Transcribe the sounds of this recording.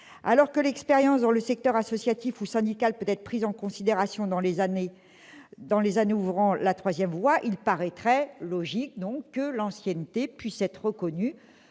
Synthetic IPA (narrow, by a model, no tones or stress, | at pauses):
a̰lɔʁkəlɛkspeʁjɑ̃sd̪ɑ̃ləsɛk̚t̪œʁasɔsjat̪ifusɛ̃d̪ikalpøt̪ɛt̪χpχizɑ̃kɔ̃sid̪eʁasjɔ̃d̪ɑ̃l | d̪ɑ̃lezaneuvʁɑ̃lat̪χwazjɛmvwaʔilpaʁɛt̪χɛlɔʒik̚d̪ɔ̃kkːəlɑ̃sjɛnt̪epɥisɛt̪χʁəkɔny